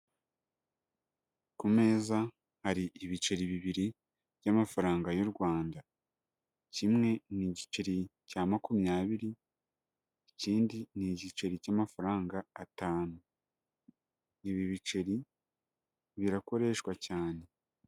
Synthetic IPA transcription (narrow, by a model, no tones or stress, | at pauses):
kume̞ːza | haɾiʔiβit͡ʃe̞ɾiβiβiɾi | β̥jamafaɾaːŋɡajuɾɡwaːnda | cimŋe̞niɟit͡ʃeɾicaːmakumjaːβiɾi | iciːndiniɟit͡ʃe̞ɾicamafaɾaːŋɡaːtaːnu | iβiβit͡ʃe̞ɾi | βiɾako̞ɾe̞ːʃkwacaːne̞